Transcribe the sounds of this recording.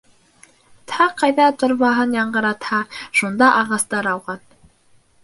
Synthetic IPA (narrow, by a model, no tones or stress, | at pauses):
t̪ʰɑqʰːɑjðɑt̪ŏɾβɑɦɤnjɑɴɢɤ̆ɾɑt̪hɑʃund̪ɑʔɑʁɑst̪ɑɾɑwʁɑn